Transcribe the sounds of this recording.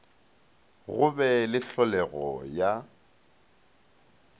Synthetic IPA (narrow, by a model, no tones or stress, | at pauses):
ɣʊbɛlɪɬɔlɛɣɔja